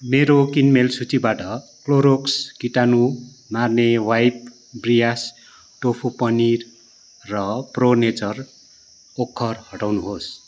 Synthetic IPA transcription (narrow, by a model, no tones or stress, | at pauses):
meɾokinmelsut͡sibaʈʌkloɾokskiʈanu | marnewajp̚ | brijas | ʈopʰupʌnirː | ʌpronet͡sʌr | okʰːʌrhʌʈawnuɦos